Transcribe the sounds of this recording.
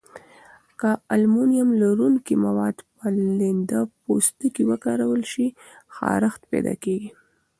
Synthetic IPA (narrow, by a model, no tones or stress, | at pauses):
kaalmunijamlaɾuŋkimawɑd̪pəlɪnd̪apost̪ukiwəkɑɾawəlʃi | xɑ̰ɾaxt̪pḛd̪ɑ̰keɡi